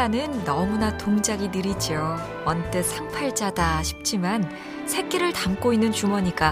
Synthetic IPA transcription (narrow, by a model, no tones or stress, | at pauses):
anɯnːʌmunatoŋd͡ʑaɡinɯɾid͡ʑio | ʌnt͈esʰaŋpʰaɭt͡ɕadaɕʰi̥p̚t͡ɕ͈iman | sʰe̞k͈eɾɯɭtamk͈oinːɯnt͡ɕumʌɲik͈a